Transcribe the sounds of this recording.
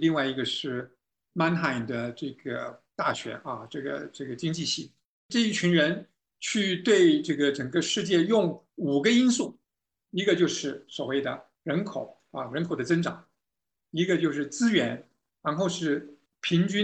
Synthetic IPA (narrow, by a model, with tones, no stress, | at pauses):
li˥˧ŋwa˥˩ɪi˧˥ɡə˧ʂɻ̩˥˩ | ma˥nxa˧˥˩ɪnd̪ə˨ʈ͡ʂɤ˥˩ɡə̰˩t̪a˥˩ɕɥɛ̰˧˥ʔɐ˧ʈ͡ʂɤ˥˩ɡə̰˩ʈ͡ʂɤ˥˩ɡə˩t͡ɕi˥ŋt͡ɕi˥˧ɕi˥˩ | ʈ͡ʂɤ˥˧i˥˩t͡ɕʰy˧˥ŋɻə˧˥n | t͡ɕʰy˥˧t̪we˥˧ɪʈ͡ʂɤ˥˩ɡə˩ʈ͡ʂə˨˩ŋɡə˦ʂɻ̩˥˧t͡ɕjɛ˥˧jʊ˥˩ŋ | u˨˩ɡə˦i˥nsu˥˩ | i˧˥ɡə˧t͡ɕjo˥˧ʊʂɻ̩˥˩swɔ˨˩we˥˩ɪd̪ə̰˩ | ɻə˧˥nkʰo˨˩˦ʊ | ɐ˧ɻə˧˥nkʰo˨˩ʊd̪ə˦t͡sə˥nʈ͡ʂɑ̰˨˩˦ŋ | i˧˥ɡə˧t͡ɕjo˥˧ʊʂ̬ɻ̩˥˩t͡sɹ̩˥ɥɛ˧˥n | ɻa˧˥nxo˥˧ʊʂɻ̩˥˩ | pʰi˧˥ŋt͡ɕy˥